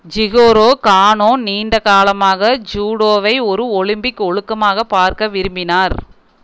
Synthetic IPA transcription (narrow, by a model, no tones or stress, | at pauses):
d͡ʒɪɣoːɾoːkaːɳoːniːɳɖɐkaːlɐmaːɣɐd͡ʒuːɽoːʋɐɪɔɾɯɔɭɪmbɪkːɔɻɯkːɐmaːɣɐpaːɾkɐʋɪɾɯmbɪnaːɾ